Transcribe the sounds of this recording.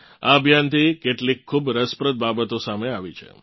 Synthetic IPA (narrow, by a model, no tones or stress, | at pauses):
aəbʱjant̪ʰikeʈlikʰːubɾəspɾəd̪̚babət̪osameaʋit͡ʃʰḛ